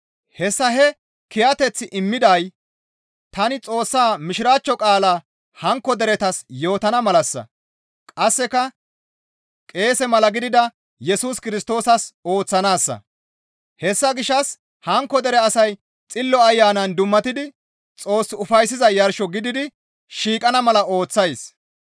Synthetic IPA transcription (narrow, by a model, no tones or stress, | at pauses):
hɛsːɐɦɛ | kɪjɐt̪ɛt͡sːɪʔɪmːɪd̪ɐj | t̪ɐnɪt͡sʼo̞ːsːaːmɪʃɪɾaːt͡ʃːɔkʼaːlaː | hɐŋkːɔd̪ɛɾɛt̪ɐsjo̞ːt̪ɐnɐmɐlɐsːɐ̰ | kʼɐsːɛkɐ | kʼe̞ːsɛmɐlɐɡɪd̪ɪd̪ɐ | jɛsuːskɪɾɪst̪o̞ːsɐso̞ːt͡sːɐnaːsːɐ̰ | hɛsːɐɡɪʃːɐs | hɐŋkːɔd̪ɛɾɛɐsɐj | t͡sʼɪlːɔɐjːaːnɐnd̪ʊmːɐt̪ɪd̪ɪ | t͡sʼo̞ːsːʊfɐjsɪzɐjɐɾʃɔɡɪd̪ɪd̪ɪ | ʃiːkʼɐnɐmɐlɐo̞ːt͡sːɐjs